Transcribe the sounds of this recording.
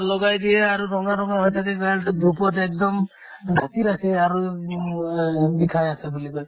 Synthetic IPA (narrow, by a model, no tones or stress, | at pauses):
lɔɡajd̪iɛaɾuɾɔŋaɾɔŋaɦɔjtʰakɛɡɔjald̪upɔtɛk̚d̪ɔm | ɡʱat̪iɾakʰɛaɹu | bikʰajasebulikɔj